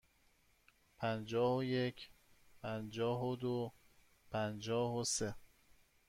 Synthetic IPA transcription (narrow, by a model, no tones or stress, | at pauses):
pʰænd͡ʒɒːhoje̞cʰpʰænd͡ʒɒːɦod̪o | pʰænd͡ʒɒːhose